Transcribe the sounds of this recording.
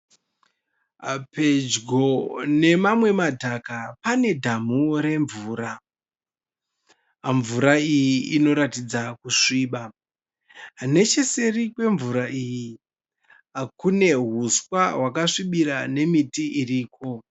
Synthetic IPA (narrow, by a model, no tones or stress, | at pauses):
pʰe̞d͡ʒɡo̞ne̞mamwe̞madʱakapane̞dʱamuɾe̞ɱvuːɾa | ɱvuɾaijiino̞ɾatid͡zakuʂiːɓa | ne̞t͡ʃe̞se̞rikwe̞ɱvuɾaʔiji | akune̞ɦuswawakaʂiɓiɾane̞mitiiriːko̞